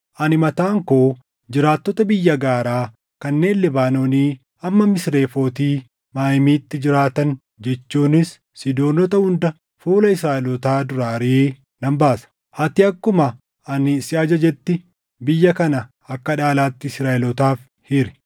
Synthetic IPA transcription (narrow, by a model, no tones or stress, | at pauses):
ʔɐnɪmɐt̪aːŋkoː | d͡ʒɪɾaːt̪ːɔt̪ɐbɪjːɐɡaːɾaː | kɐnːe̞ːnlɪbaːno̞ːniː | ɐmːɐmɪsɾe̞ːfo̞ːt̪iː | maːjmiːt̪ːɪd͡ʒɪɾaːt̪ɐn | d͡ʒɛt͡ʃːuːnɪsː | ɪd̪o̞ːnɔt̪ɐhʊnd̪ɐ | fuːlɐɪsɾaːʔɛlɔt̪aːd̪ʊɾaːɾeː | nɐmbaːsɐ̥ | hɐt̪ɪɐkːʊmɐ | ɐnɪsɪʔɐd͡ʒɐd͡ʒɛt̪ːɪ | bɪjːɐkɐnɐ | ɐkːɐᶑaːlaːt̪ːɪɪsɾaːʔɪlɔt̪aːf | hɪɾɛ̥